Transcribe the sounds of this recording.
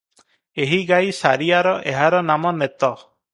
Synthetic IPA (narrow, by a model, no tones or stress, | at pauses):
eɦiɡajsa̰ɾiaɾɔʔeɦaɾɔnamɔnet̪ɔ